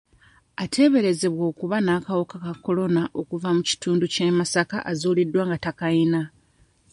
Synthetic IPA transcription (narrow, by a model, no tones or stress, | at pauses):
atʰe̞βe̞ɾe̞ze̞βwo̞ːkuβanaːkawokakakːo̞lo̞naʔo̞kuvamuci̥tuːnducemasakaʔazoːlidwaːŋɡatakaina